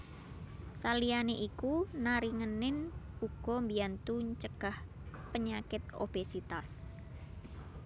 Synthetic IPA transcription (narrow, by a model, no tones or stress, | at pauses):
salijaneʔikunaɾiŋənɪnuɡ̥ɔ̤mbiant̪ut͡ʃəɡ̥ahpəɲakɪt̪̚o̰b̥esit̪as